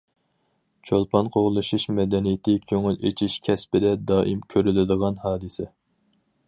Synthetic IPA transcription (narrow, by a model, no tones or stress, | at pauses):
t͡ʃʰolˠpʰɑnqʰoʁlˠɨʃuʃmɛd̪ɛnijɪt̪ʰɪkʲʰøŋylḛt͡ʃʰiʃkʲʰɛspɪd̪ɛd̪ɑːʔimkʲʰøɾylɪd̪əʁɑnhɑːd̪ɨsɛ